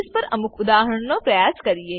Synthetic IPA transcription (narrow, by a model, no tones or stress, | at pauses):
spɐɾɐ̰mʊkʊd̪aːɦəɽnõpɾɐjaːskɐɾieː